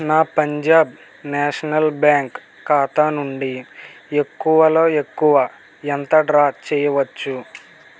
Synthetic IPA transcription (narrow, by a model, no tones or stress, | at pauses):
naːpɐɲd͡ʒaːb | nɛːʂɐnɐlbjaːŋkː | aːt̪aːnuɳɖie̞kːuʋɐlo̞ːe̞kːuʋɐ | ent̪ɐɖɾaːkt͡ʃɛːjɐʋɐt͡ʃːu